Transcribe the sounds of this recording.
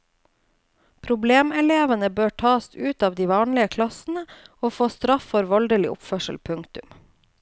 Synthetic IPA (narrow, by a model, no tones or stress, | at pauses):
pʰɾʊbleːmɛleːʋənəbøːʈʰɑːsʉːt̪ɑːʋd̪iːʋɑːnlɪəkʰlɑsn̩əoːfoːst̪ɾɑfːɔɾʋɔld̪əlɪ̰ʔʊ̰pfœʂəlpʰʉŋkt̪ʉm